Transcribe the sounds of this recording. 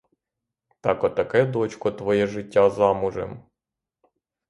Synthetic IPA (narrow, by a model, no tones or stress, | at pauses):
t̪ɑkɔt̪ːɐkɛd̪ɔt͡ʃkɔt̪ʋɔjɛʒɪtʲːazɑmʊʒḛm